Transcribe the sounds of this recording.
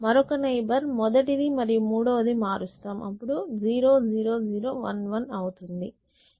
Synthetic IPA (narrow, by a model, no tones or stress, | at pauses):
mɐɾɔkɐnɐjbɐɾmɔd̪ɐʈid̪imɐɾijumuːɽɐʋɐd̪imaːɾust̪aːmʔɐpːuɽud͡ʒiːɾo̞ːd͡ʒiːɾo̞ːd͡ʒiːɾoːʋɐ̰nʋɐnɐwut̪und̪i